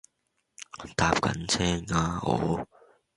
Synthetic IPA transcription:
t̪aː˧p̚kɐ̰˨˥nt͡sʰɛː˥ŋaː˧ɔ̰ː˨˥

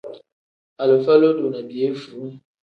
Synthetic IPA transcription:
a˨lə˨fɛ˦lo˦do˨na˨bi˨e˦fu˨˦

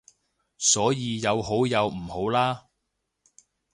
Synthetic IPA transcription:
sɔː˨˥jiː˨˧jɐ˨˧wɦo˨˥wjɐ˨˧wm̩˨˩ho˨˥wlaː˥

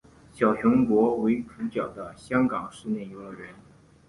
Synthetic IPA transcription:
ɕjɑ˨˩ʊɕʊ˧˥nkwɔ˧˥we˧˥ɪʈ͡ʂʰu˧˥t͡ɕjɑ˨˩ʊd̪ə˦ɕjɑ˥ŋkɑ˨˩ŋʂɻ̩˥˧njɛ˥˩i˧˥ɡə˧ɻə˧˥n

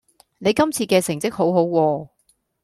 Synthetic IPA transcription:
ne˨˧jkɐ˥mt͡sʰiː˧kɛː˧sɪ˨˩ŋt͡sɪ˥k̚ho˨˥wɦo˨˥wwɔː˧

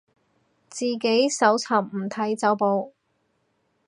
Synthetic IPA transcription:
t͡siː˨ke˨˥jsɐ˨˥wt͡sʰɐ˨˩wm̩˨˩t̪ʰɐ˨˥jt͡sɐ˨˥wpo˨˧w

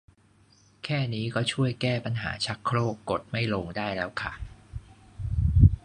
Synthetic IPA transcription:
kʰɛː˥˩niː˦˥kɔː˥˩t͡ɕʰu˥˩əjkɛː˥˩pa˧nɦa̰ː˩˦t͡ɕʰa˦˥kkʰloː˥˩kːo˨˩t̪̚ma˥˩jloː˧ŋdaː˥˩jlɛː˦˥wkʰa˥˩

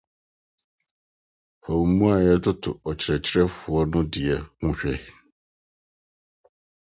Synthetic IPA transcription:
hɔ˨wmũ˦a˨jɛ˦tʰʊ˦tʰʊ̰˨ɔ˨t͡ɕʰɪ˨ɾɛ˨t͡ɕʰɪ˦ɾɛ˦fʊ˨ɔ˦nʊ̃˦dɪ˨ɛ˨ŋʊ̃˦ɕᶣɛ˦

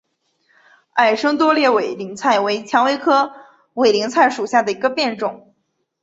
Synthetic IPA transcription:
a˥˩ɪʂɤ˥ŋt̪̬wɔ˥ljɛ˥˩we˨˩ɪli˧˥ŋt͡sʰa˥˩ɪwe˧˥ɪt͡ɕʰjɑ˧˥ŋwe˧˥ɪkʰɤ˥ | we˨˩ɪli˧˥ŋt͡sʰa˥˩ɪʂu˨˩ɕja˥˩d̪ə˩i˧˥ɡə˧pjɛ˥˧nʈ͡ʂʊ˨˩˦ŋ

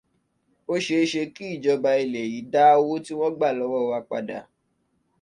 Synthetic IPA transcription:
o˦ʃe˧ʃe˧ki˦i˦˨d͡ʒɔ˨˧ba˧i˧le˨ji˨˦da˦wo˦ti˦w̃ɔ̃˦ɡ͡ba˦˨lɔ˨˦wɔ˦˧wa˧k͡pa˧da̰˨

